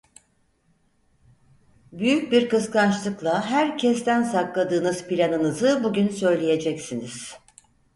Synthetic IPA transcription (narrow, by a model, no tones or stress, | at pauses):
byjyc̚biɾkɯskant͡ʃlˠɯklˠaɦæɾcʰɛs̬t̪ænsaklˠad̪ɯːnɯzpʰilʲanɯnɯzɯbuɟynsø̞jlʲeje̞d͡ʒɛcsiniz̥